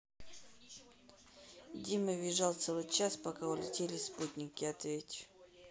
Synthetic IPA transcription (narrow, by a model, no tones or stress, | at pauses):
dʲimɨvʲɪʐalˠt̪sɛlˠɨt͡ɕaspakaʊlʲɪtʲelʲɪsput̪ʲnʲɪkʲɪɐt̪vʲetʲʊ